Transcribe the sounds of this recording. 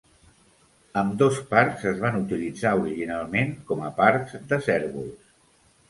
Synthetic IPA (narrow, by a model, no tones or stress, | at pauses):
əmd̪ɔspaɾkzəzβ̞anut̪ilid͡zauɾiʒinalˠmeŋkɔməpaɾɡz̥d̪əsɛɾβṵlˠs